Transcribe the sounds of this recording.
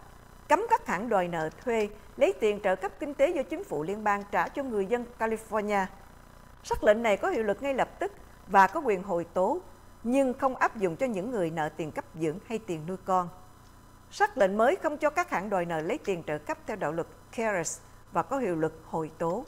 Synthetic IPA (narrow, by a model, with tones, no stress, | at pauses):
kə˨˦mkaː˦˥k̚haː˧˩nɗwaː˨˩jnə̰ː˧˨t̪ʰwe˧ | lə˨˦jt̪i˨˩ənt͡ɕə̰ː˧˨˩kə˦˥p̚kï˧ŋ̟t̪e˨˦zɔ˧t͡ɕï˨˦ŋ̟fṵ˧˩li˧ənɓaː˧ŋt͡ɕaː˧˩t͡ɕɔ˧ŋɨ˨˩əjzə˧nkaː˧li˧fɔ˧ɲaː˧ | saː˦˥k̚lə̰˧˨nːa˨˩jkɔ˨˦hḭ˧˨əwlɨ˨˩k̚ŋa˧jlə˨˩p̚t̪ɨ˦˥k̚ | vaː˨˩kɔ˨˦kwḭ˨˩ənɦo̰˧˨˩jt̪o˨˦ | ɲɨ˧ŋxə˧wŋ͡mʔaː˦˥p̚zʊ̰˧˨ŋ͡mt͡ɕɔ˧ɲɨ̰˧˥ŋːɨ˨˩əjnə̰ː˧˨t̪i˨˩nkə˦˥p̚zɨ̰˧˥əŋha˧jt̪i˨˩ənːu˧jkɔ˧n | sa˦˥k̚lə̰˧˨nməː˨˦jxə˧wŋ͡mt͡ɕɔ˧kaː˦˥k̚haː˧˩nɗwaː˨˩jnə̰ː˧˨˩lə˨˦jt̪i˨˩ənt͡ɕə̰ː˧˨˩kə˦˥p̚t̪ʰɛ˧wɗa̰ː˧˨wlɨ˨˩k | kɛ˧zɛ˨˩s | vaː˨˩kɔ˨˦ɦḭ˧˨wlɨ˨˩k̚ho̰˧˨˩jt̪o˨˦